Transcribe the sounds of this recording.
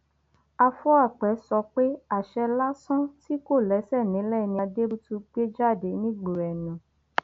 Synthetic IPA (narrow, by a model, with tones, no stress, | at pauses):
a˧fɔ˦a˦˨k͡pɛ˨˦sɔ˧k͡pe˦a˦˨ʃɛ˧la˦sɔ̃˦ti˦ko˦˨lɛ˨˦sɛ˦˨nĩ˨˦lɛ˦˨nĩ˦a˧de˦bu˦tu˧ɡ͡be˦d͡ʒa˦˨de˨˦nĩ˦ɡ͡bo˨ɾɛ˨nũ˨˦